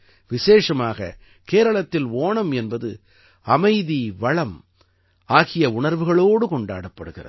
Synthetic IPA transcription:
ʋɪseːʂɐmaːɣɐ̰ | keːɾɐɭɐt̪ːɪloːɳɐmɛnbɐðɯ | ɐmɐɪðiʋɐɭɐm | aːɣɪjɐʊɳɐɾʋɯɣɐɭoːɽɯkɔɳɖa̰ːɽɐpːɐɽɯɣɪrɐ̰ðɯ

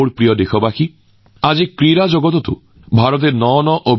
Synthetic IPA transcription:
oɽpɾijɔd̪ekʰɔbaxi | ad͡ʒikɾiɾad͡ʒoɡɔt̪ɔt̪ṵ | bʱaɾɔt̪̬eɾnɔnɔʔob

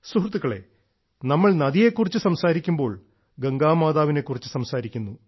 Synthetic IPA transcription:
suhrut̪ːukːɐɭe̞̰ | nɐmːɐɭnɐðije̞kːurit͡ɕːɨsɐmsaːɾikʲːumbo̞ːɭ | ɡɐŋɡaːmaːðaːʋine̞kːurit͡ɕːɨsɐmsaːɾikʲːunːu

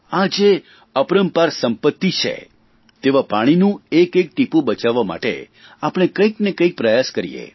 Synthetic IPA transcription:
ad͡ʒe | əpɾəmpaɾsəmpət̪ːit͡ʃʰḛ | t̪eʋapaɽ̃inũekek̚ʈipũbət͡ʃaʋːama̰ʈḛ | apɽ̃ekəiknekəik̚pɾəjaskəɾḭjḛ

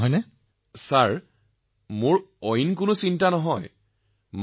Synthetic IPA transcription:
ɔjnɛ | saɹ | mʊɹɔjnkʊnʊsintanɔɦɔj | m

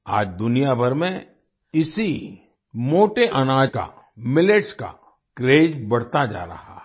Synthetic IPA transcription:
a̰ːd͡ʒd̪ʊnijabʱɐɾmẽ | ɪsi | moːʈeʔɐnaːd͡ʒka̰ | mɪleʈska̰ | kɾeːd͡ʒbɐɽt̪ad͡ʒa̰ːɾɐ̰ha̰

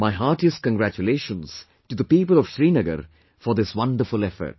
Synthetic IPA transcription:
maɪɦaːʈisʈ̚kə̃ŋɡɾæt͡ʃuleːʃə̃nz̥ | ʈud̪əpiːpəlɔʋʃɾiːnɪɡə̰ɾ | fɔɾd̪ɪswʌ̃nɖəɾfʊlɛfə̰ɾʈ̚

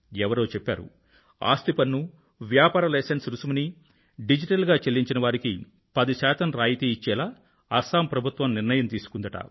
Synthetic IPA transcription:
ɛʋɐɾoːt͡ʃɛpːa̰ːɾṵ | a̰ːst̪ipɐnːu | ʋjaːpaːɾɐlɐːsensɾusumuni | ɖid͡ʒiʈɐlɡaːt͡ʃelːiɲt͡ʃinɐʋaːɾiki | pɐd̪iʃɛːt̪ɐmɾaːjit̪eit͡ʃːɛːlaː | ɐsaːmpɾɐbʱut̪ʋɐmniɾnɐjɐmt̪iːsu̥kund̪ɐʈɐ̰

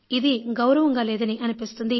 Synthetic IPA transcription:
id̪iɡɐwɾɐʋɐŋɡaːlɛːd̪ɐniʔɐnipist̪und̪i

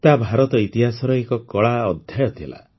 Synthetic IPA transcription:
t̪abʱaɾɔt̪ɔit̪iɦasɔɾɔekɔkɔɭaɔd̪ʱjajɔt̪ʰila̰

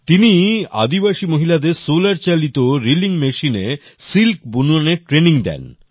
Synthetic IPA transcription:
t̪inia̰d̪ibaʃimoɦilad̪eɾsolaɾt͡ɕalit̪oɾiliŋmeʃine | silkbunuaneʈɾeniŋd̪ɛ̰n

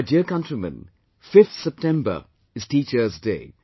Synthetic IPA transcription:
aɪdiəkʌ̃ntɹimə̰̃n | fɪft̪sɛp̚tɛ̃mbə̰ | ɨz̥tiːt͡ʃəzdeɪ

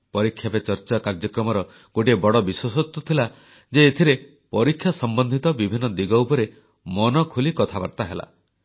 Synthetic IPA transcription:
pɔɾikʰːjapet͡ʃɔɾt͡ʃakaɾd͡ʒɔkɾɔmɔɾɔ | koʈiebɔɽɔbiswɔsɔt̪wɔt̪ʰila | d͡ʒeːt̪ʰiɾe | pɔɾikʰːjasɔmbɔnd̪ʱit̪ɔbibʱinɔd̪iɡɔwpɔɾe | mɔnɔkʰulikɔt̪ʰaba̰ɾt̪aɦela̰

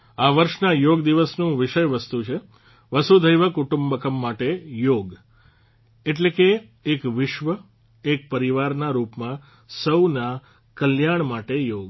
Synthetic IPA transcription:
aʋəɾʃnajoɡd̪iʋəsnũʋɪʃəjʋəst̪ut͡ʃʰe | ʋəsud̪ʱəjʋəkuʈumbəkəmːaʈejoɡ | eʈlekeː | kʋɪʃʋə | ek̚pəɾiʋaɾnaɾupmã | səwna | kəljaɳ̃maʈejoɡ

